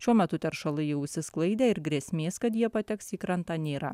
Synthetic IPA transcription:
ʃʲuɔmʲɛt̪ʊt̪ʲɛɾʃɐlˠɐɪjɛʊʃʲsʲɪsklˠɐɪd̪ʲeːɪɾɡɾʲɛːsʲmʲeːskɐt̪jiɛpɐt̪ʲɛksiːkɾɐnt̪ɑːnʲeːɾɐ̰

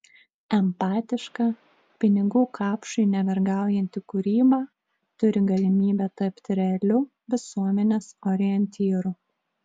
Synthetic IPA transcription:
ɛmpɑːt̪ʲɪʃkɑː | pʲɪnʲɪɡuːkʰɑːpʃʊɪnʲɛʋʲɛɾɡɑˑʊjɛnʲt̪ʲɪkʊɾʲiːbɑː | t̪ʊɾʲɪɡɐlʲɪmʲiːbʲɛːt̪ɐpʲt̪ʲɾʲɛɐlʲʊ | ʋʲɪsuɔmʲɛnʲeːsɔːɾʲɪjɛnʲt̪ʲiːɾʊ

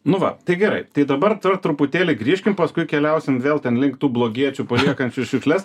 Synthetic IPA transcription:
nʊʋɐ̰t̪ɐɪɡʲɛɾɐɪt̪ɐɪd̪ɐbɐrt̪ʋɐrt̪ɾʊpʊt̪ʲeːlʲɪɡɾʲiːʃʲkʲɪmpɐskʊɪkʲɛlʲɛʊsʲɪmʋʲeːlˠt̪ʲɛnlʲɪŋkt̪uːblˠoːɡʲiɛt͡ʃʲupɐlʲiɛkɐnʲt͡ʃʲʊʃʲʊkʃʲlʲɛs

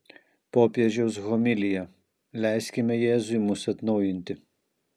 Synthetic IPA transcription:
pɔːpʲjɛʒʲɛsɣɔmʲɪlʲɪjɛ | lʲæjsʲkʲɪmɛjɛːzʊjmʊsɐt̪nɔʊjɪnʲt̪ʲɪ

